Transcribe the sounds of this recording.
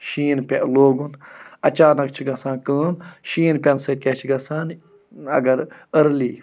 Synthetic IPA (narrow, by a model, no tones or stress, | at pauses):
ʃiːnpʲeʔloːɡunɐt͡ʃaːnɐkt͡ʃʰiɡɐsãːnkəːnʃiːnpʲɐnsɐt̪̚kʲet͡ʃʰiɡɐsaːn | ɐ̰ɡɐɾəɾliː